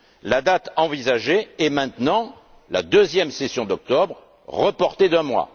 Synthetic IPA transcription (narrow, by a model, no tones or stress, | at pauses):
lad̪at̪ɑ̃vizaʒeɛmɛ̃t̪nɑ̃ | la̰d̪øzjɛmsesjɔ̃d̪ɔk̚t̪ɔbʁ | ʁəpɔʁt̪ed̪ɛ̃mwa̰